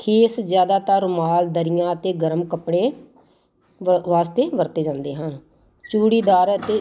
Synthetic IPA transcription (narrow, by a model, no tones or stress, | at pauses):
kʰeːszjaːd̪aːt̪aːɾmaːld̪əɾɪjãːət̪eːɡəɾəmkəpɽeː | ʋaːst̪eːʋəɾt̪eːd͡ʒãːnd̪eːɦən | t͡ʃuːɽiːd̪aːɾət̪eː